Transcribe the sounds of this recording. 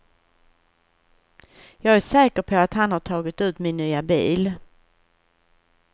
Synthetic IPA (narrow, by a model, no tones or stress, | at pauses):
jɑːɡæʂɛːkəɾpʰɔat̪hanhaʈʰɑːɡɪt̪ʉ̟ːt̪mɪnːyːabiːl